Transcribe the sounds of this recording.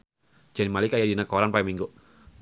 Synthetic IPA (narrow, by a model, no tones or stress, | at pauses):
d͡ʒanimalikajadinakoɾanpaimiŋɡu